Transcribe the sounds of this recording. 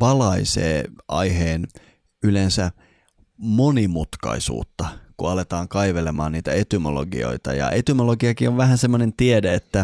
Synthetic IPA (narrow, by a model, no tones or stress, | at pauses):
pɑlɑisḛːʔɑ̰jɦeːn | ylensæ | monimut̪kɑ̰isṵːt̪ːɑkuɑlet̪ɑːŋkɑiʋelemɑ̰ːnniːt̪æet̪ymolo̰ɡḭo̞̰it̪ɑ̰jɑ̰ʔet̪ymoloɡiɑkioʋʋæɦænsemːonent̪iedeet̪ːæ